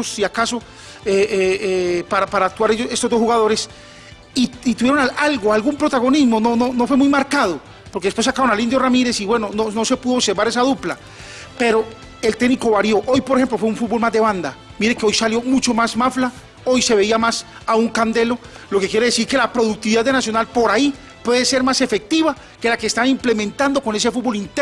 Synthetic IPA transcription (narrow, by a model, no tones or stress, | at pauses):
siakaso̞ | eepaɾapaɾaːk̚t̪waɾeoe̞st̪ozd̪oxuɣað̞o̞ɾe̞s | iit̪uβjeɾonaʔalɡoalɡumpɾo̞t̪aɣo̞nizmo̞no̞nono̞fwe̞mujmaɾkað̞o | poɾkeðespwesakaɾonalind̪jo̞ramiɾe̞siβwe̞no̞nono̞se̞puðose̞ɾβaɾe̞s̬aðupla | pe̞ɾo̞ | e̞lt̪e̞ɡniko̞βaɾjo̞ʔojpoɾexe̞mplofweuɱfud̪̚bo̞lmazd̪e̞βand̪a | miɾeke̞o̞jsaljo̞mut͡ʃo̞mazmafla | o̞jse̞βe̞iamas | auŋkand̪e̞lo̞ | lo̞ke̞kjeɾe̞ðe̞siɾke̞lapɾo̞ðuk̚t̪iβiðaðe̞nasjo̞nalpo̞ɾai | pwe̞ðe̞se̞ɾmase̞fe̞k̚t̪iβa | ke̞lakeːst̪aβimple̞mẽnt̪and̪o̞ko̞ne̞se̞fud̪bo̞lint̪e